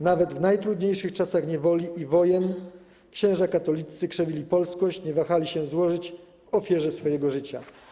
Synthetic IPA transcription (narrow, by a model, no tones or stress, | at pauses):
navɛd̪vnajt̪ɾud̪ɲejʂɘxt͡ʂasaxɲɛvɔlʲiʔivɔjɛn | kɕɛ̃w̃ʐakat̪ɔlʲit̪sɘkʂɛvʲilʲipɔlskɔɕt͡ɕɲɛvaxalʲiɕɛzwɔʐɘt͡ɕ | vɔfʲjɛʐɛsfɔjɛɡɔʐɘt͡ɕa̰